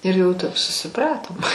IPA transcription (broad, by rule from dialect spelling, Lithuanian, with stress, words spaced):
ɪr jɛʊ tɐp sʊsʲɪˈprɑːtoːm